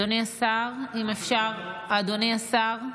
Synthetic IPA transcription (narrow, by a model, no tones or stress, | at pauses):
oneasaʁimefʃaʁad̪oneasaʁ